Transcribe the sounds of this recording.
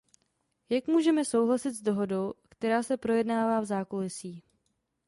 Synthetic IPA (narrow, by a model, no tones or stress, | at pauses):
jakmuːʒɛmɛsowɦlasɪt̪zdo̞ɦo̞do̞wkt̪ɛɾaːsɛpɾo̞jɛdnaːvaːvzaːkolɪsiː